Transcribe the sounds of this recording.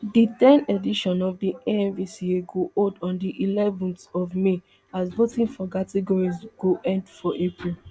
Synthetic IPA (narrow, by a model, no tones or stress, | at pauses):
ditɛ̃nediʃɔ̃nɔvdieɛ̃nvisieɡoʔodɔ̃ndiʔilɛvɔ̃nsɔvme | azbotĩnfɔkatɛɡɔɹizɡ̥oʔɛ̃ndfɔʔepɹil